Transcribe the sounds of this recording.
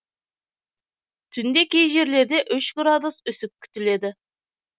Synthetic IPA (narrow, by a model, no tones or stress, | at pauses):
t̪ʰʏnd̪e̞kʲejʒe̞ɾle̞ɾd̪e̞ʔʏʃɡɾad̪ʊsʏsɪp̚kʲʰːʏ̥t̪ɪle̞d̪ɪ